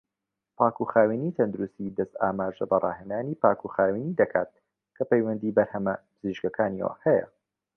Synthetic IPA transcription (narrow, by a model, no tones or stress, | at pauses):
paːkuxaːwinit̪ʰɐnd̪uɾust̪id̪ɐst̪aːmaːʒɐbɐrˤʔɑ̰ːɦend̪aːniːpaːkʰuxaːwinid̪ɐkʰaːt̪̚ | kʰɐpejwɐnd̪iːbɐɾhɐmɐpɨziʒɡɐkʰaːniwa̰hɛjɐ̰